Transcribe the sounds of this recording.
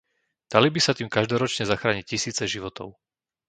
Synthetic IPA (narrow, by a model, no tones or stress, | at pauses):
d̪̥alibisat̪iːmkaʒd̪ɔɾɔt͡ʃɲɛzaxɾaːɲiccisiːt͡sɛʒiʋɔt̪ɔ̰ʊ